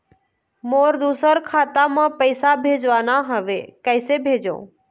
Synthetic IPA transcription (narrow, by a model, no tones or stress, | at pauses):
moːɾd̪uːsəɾkʰaːt̪amãpəɪsabʱeːd͡ʒʋaːnaɦəʋekəɪsebʱeːd͡ʒõ̰ː